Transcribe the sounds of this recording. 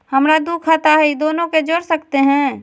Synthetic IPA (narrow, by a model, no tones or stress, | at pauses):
həmɾad̪ukʰat̪aɦɛid̪oːnõked͡ʒoːɽsəkt̪eɦɛ̃